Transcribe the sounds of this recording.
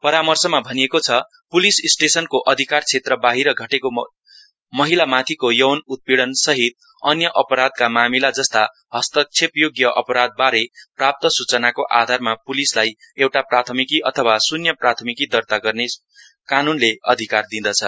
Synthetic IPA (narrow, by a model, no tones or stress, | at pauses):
pʌɾamʌrsʌmabʱʌnijekot͡sʰʌ | pulisisʈesʌnkoʔʌd̪ʱikart͡sʰet̪rʌbaɦiɾʌɡʱʌʈeko | mʌɦilamat̪ʰikojʌwnut̪̚piɽʌnsʌɦit̪̚ | ʌnjʌʔʌpʌɾad̪̚kamamilad͡zʌst̪a | ɦʌst̪ʌk̚t͡sʰepjoɡjʌʔʌ̰pʌɾad̪̚baɾeprap̚t̪ʌsut͡sʌnakoʔa̰d̪ʱarmapulislaj | ewʈaprat̪ʰʌmikiʔʌt̪ʰʌwasunjʌprat̪ʰʌmikid̪ʌrt̪aɡʌrne | kanunleʌ̰d̪ʱikard̪ĩd̪ʌt͡sʰʌ